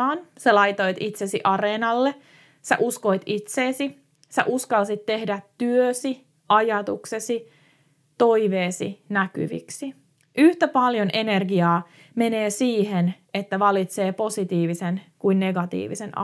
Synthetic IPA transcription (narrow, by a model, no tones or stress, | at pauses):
ɑːnselɑjt̪o̞jt̪it̪sesiʔɑreːnɑlːe | sḛʔusko̞jt̪it̪seːsi | sḛʔuskɑlsit̪ːe̞hdæt̪tyøsi | ʔɑjɑt̪uksesi | t̪o̞iʋeːsḭnæky̰ʋḭksi | ʔyht̪æpɑljo̞nʔe̞nerɡiɑː | me̞neːsiːɦen | et̪ːæʋɑlit̪se̞ːpo̞sit̪iːʋisenkuinːe̞ɡɑt̪ḭːʋisen̰